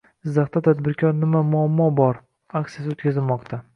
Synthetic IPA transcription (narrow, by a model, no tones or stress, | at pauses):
ɪzːaχt̪at̪ʰad̪bɪɾkʲʰɒɾnɪmamʊamːɒbɒɾ | akʲt̪ijas̬ɪot̪kʲazɪlmɒqt̪ʰa